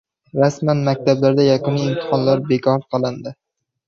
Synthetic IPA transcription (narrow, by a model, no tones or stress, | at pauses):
ɾasmanmak̚ʲt̪ʰablaɾd̪ajaqɨniɪmt̪ʰɨ̥χɒnlaɾbekʰɒɾqʰɑlˠɪnd̪ɪ